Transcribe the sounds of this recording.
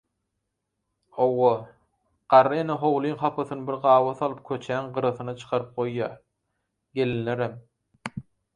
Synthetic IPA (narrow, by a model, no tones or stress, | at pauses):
owːo | ɢ̥ɑɾːɯeneɦowlˠiːŋχɑpʰɯθɯnɯbiɾʁɑːwɑθɑlˠɯp̚kʲʰøt͡ʃʰæːŋɢɯɾɯθɯnɑt͡ʃʰɯ̥qʰɑɾɯp̚qojːɑː | ɡe̞linleɾem